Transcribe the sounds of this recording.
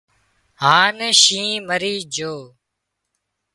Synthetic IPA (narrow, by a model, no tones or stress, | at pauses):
ɦaːnʃĩːməɾiːd͡ʒoː